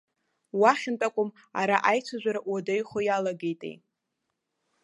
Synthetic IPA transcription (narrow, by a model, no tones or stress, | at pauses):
waχʲɪntʼakʷʼʊm | aɾaʔajt͡sʷʰaʒʷaɾaʔwadejχojalaɡejtʼḛj